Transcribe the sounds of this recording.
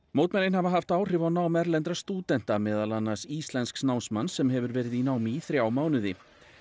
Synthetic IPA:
mowt̪mɛnɪnhavaɦaft̪aːwr̥ɪvawnaːwmɛɾlɛnt̪ɾast̪uːt̪ɛn̥t̪amɛːðalanːasist̪lɛnsksnawnsmansɛmɦɛvʏɾvɛːɾɪðinaːwmiθɾjaːwmaːwnʏðɪ

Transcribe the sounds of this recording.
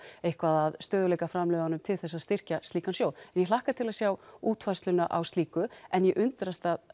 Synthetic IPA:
ejhkvaðaðst̪œːðʏlejkafɾamlœːðanʏmt̪ʰɪlθɛsːaðst̪ɪr̥cast̪iːkansjoːwlɛnjɛlahkat̪ʰɪlaðsjawuːt̪fajst̪lʏnaʔawst̪liːkʏɛnjɛʔʏnt̪ɾast̪að

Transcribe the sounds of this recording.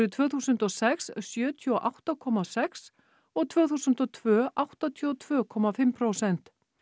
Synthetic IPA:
ɾʏt̪ʰvœːθuːsʏnt̪ɔsɛkssjœːt̪ʰʏɔʔawht̪akʰɔmasɛks | ɔɣt̪ʰv̥œːθuːsʏnt̪ɔt̪ʰvœːʔawht̪at̪ʰiɔt̪ʰv̥œːkʰɔmafɪmpʰɾowsɛn̥t̪

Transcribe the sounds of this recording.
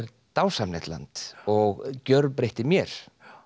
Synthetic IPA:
ɾ | t̪awsamnḛht̪la̰nt̪ɔɣcœɾðpɾejht̪ɪmjɛɾ̥

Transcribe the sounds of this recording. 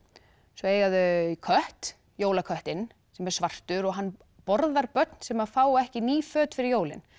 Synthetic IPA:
sɔeːjɣaðʏkʰœht̪ | joːwlakʰœht̪ɪnː | sɛmɛɾ̥svar̥t̪ʏɾɔɣɦanː | pɔɾðaɾpœt̪n̥sɛmaðfaːwɛhcɪniːfœːt̪fɪɾɪɾjoːwlɪ̰n

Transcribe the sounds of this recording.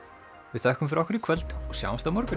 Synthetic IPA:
vɪðθɛhkʏmfɾɔhkvɪɾikʰvɛlt̪ɔsja̰wmst̪amɔɾkʏ

